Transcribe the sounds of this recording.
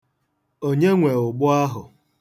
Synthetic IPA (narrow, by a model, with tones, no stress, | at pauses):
o˦ɲe˦ŋʷe˨ʊ˨ɡ͡bʊ˦a˦ɦʊ˨